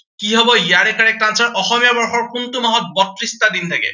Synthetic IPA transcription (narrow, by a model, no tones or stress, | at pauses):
kiɦɔbɔjaɾekaɹɛk̚ʈɾansɔɾʔɔxɔmijabɔɹxɔɹkunt̪umaɦɔt̪̚bɔt̪ɾist̪ad̪int̪ʰakḛ